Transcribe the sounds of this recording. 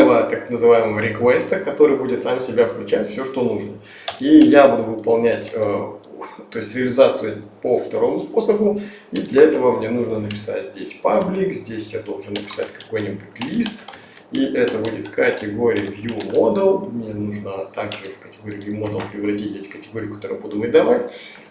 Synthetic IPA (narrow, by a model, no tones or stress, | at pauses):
vət̪aknəzɨvajɪməvəɾʲɪkvɛst̪əkɐt̪o̞ɾɨjbudʲɪt̪samsʲɪbʲafklʲʉt͡ɕætʲfsʲoʂt̪o̞nuʐnə | ijabud̪ʊvɨpɐlˠnʲætʲə | t̪o̞ɪsʲtʲɾʲɪəlʲɪzat̪sɨjʊpəft̪ɐɾo̞mʊspo̞səbʊ | id̪lʲɐɛt̪əvəmnʲenuʐnənəpʲɪ̥sa̰tʲzʲdʲesʲpablʲɪkzʲdʲesʲjad̪o̞lˠʐɨnːəpʲɪ̥sa̰tʲkɐko̞jnʲibutʲlʲist̪ | iʔɛt̪əbudʲɪt̪kətʲɪɡoɾʲɪjəbʲjumod̪əlˠmnʲenuʐnət̪aɡʐɨfkətʲɪɡoɾʲɪːbʲjumo̞d̪əlˠpɾʲɪvɾɐtʲitʲetʲɪ̥kətʲɪɡo̞ɾʲɪjʊkɐt̪oəɨjabud̪ʊvɨd̪ɐvatʲ